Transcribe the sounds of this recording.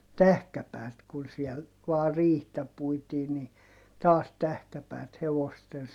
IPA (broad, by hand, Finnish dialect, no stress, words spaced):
tæhkæpæːt kun siɛl ʋɑː riːhtæ puitiː ni tɑːs tæhkæpæːt heʋosten